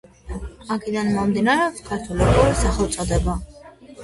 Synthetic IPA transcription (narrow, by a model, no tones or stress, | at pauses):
akʰɛd̪anmɔmd̪inaɾɛɔpskʰaɾt̪ʰulibɔɾisaχɛt̪sʼɔd̪ɛba